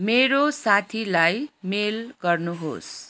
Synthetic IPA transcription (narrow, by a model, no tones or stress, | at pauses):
meɾosat̪ʰilajmelɡʌrnuɦo̰s